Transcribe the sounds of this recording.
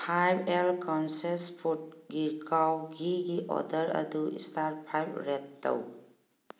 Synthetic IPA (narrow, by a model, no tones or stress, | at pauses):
pʰajbelkawnsespʰut̚ɡiɾkawɡiɡiʔɔ̰dəɾɐ̰duḭstaɾpʰajbɾetːa̰w